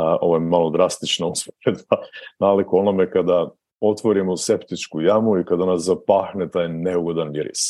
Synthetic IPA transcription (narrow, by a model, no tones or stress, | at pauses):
o̞̰ʋojemalod̪ɾast̪it͡ʃnauspoɾed̪banalikoo̞namekad̪a | o̞t̪ʋo̞ɾimose̞pt̪it͡ʃkujamuikad̪anaszapaːxnet̪aːjne̞uɡo̞d̪aniɾḭs